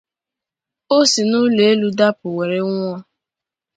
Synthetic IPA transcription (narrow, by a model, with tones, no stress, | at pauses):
o˦si˨nʊ˦le˨e˦lu˦da˦pʊ˨we˨ɾe˦ŋʷ˦ɔ˦